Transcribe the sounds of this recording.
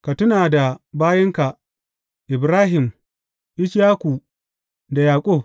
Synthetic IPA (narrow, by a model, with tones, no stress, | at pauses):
ka˨tʊ˦naː˨da˨baː˦jɐ˦ŋka˨ | ʔɪ˨bɾaː˦ɦɪ˨m | ʔɪ˦ʃjaː˦kʷu˨ | da˨jaː˨kʷʼoː˦˨